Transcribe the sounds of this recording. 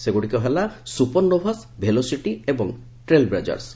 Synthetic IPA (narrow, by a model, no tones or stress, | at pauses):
seɡuʈikɔɦelasupɔnnobʱasbʱelosiʈiebɔŋ | ʈɾelbɾad͡ʒa̰ɾs